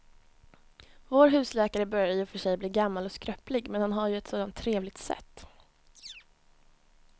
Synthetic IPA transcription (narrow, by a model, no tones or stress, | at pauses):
voːɾɦʉ̟ːslɛːkaɾəbœɾjajɵfœʂɛjbliːɡamːalɔskɾœplɪɡmɛnhanɦaɾjɵɛt̪soːd̪ant̪ʰːɾeːvlɪɡ̚t̪sɛ̰t̪ː